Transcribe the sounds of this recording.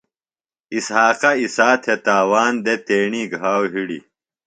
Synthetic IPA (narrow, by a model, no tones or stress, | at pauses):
ishaːqɐisaːt̪ʰet̪aːwaːnd̪et̪eːɳiɡʱaːwɦiɽḭ